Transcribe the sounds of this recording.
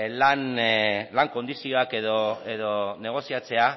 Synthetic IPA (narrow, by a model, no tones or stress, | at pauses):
lanlaŋko̞nd̪isio̞ake̞ðoeðone̞ɣ̞o̞siat͡se̞a